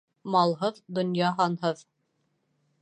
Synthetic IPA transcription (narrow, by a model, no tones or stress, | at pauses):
mɑlˠɦɤðd̪ŏnjɑɦɑnɦɤð